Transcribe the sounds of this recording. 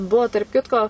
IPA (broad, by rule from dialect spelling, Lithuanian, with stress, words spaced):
ˈbuɔ tɐrp ˈkʲɪtkoː